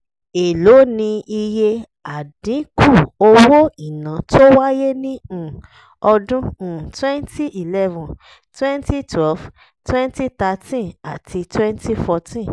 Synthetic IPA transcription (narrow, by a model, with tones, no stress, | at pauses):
e˨lo˨˦nĩ˧i˧je˧ | a˨dĩ˨˦ku˦˨o˧wo˦i˨nã˨to˦wa˦je˦nĩ˦ũ˨ | ɔ˧dũ˦ũ˨twɛ̃˦nti˦ʔi˨lɛ˦vũ˨ | twɛ̃˦nti˦tʰwɛ˦lf | twɛ̃˦nti˦t̪a˧tĩ˦a˨tʰi˧twɛ̃˦nti˦fɔ˧tĩ˦n